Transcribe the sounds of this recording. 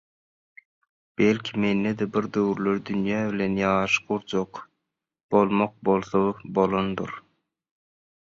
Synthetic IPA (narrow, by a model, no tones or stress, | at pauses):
b̥elʲkʲʰime̞nːed̪ebiɾd̪øwyɾløɾd̪ynjæːbilenjɑːʃquɾd͡ʒoq | b̥o̞lˠmoq̚bolˠθobolˠond̪ṵɾ